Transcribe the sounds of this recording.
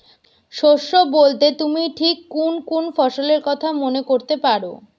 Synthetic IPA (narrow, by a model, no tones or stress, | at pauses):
ʃoʃːobolt̪et̪umiʈʰikːunpunfɔʃoleɾkɔt̪ʰamonekoɾt̪epaɾo